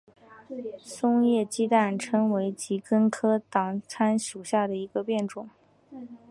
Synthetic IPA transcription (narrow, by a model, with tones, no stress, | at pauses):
sʊ˥ŋjɛ˥˩t͡ɕi˥t̪a˥˩nʈ͡ʂʰɤ˥ŋwe˧˥ɪt͡ɕi˧˥kə˥nkʰɤ˥t̪ɑ˨˩ŋt͡sʰa˥nʂu˨˩ɕja˥˩d̪ə˩i˧˥ɡə˧pjɛ˥˩nʈ͡ʂʊ˨˩˦ŋ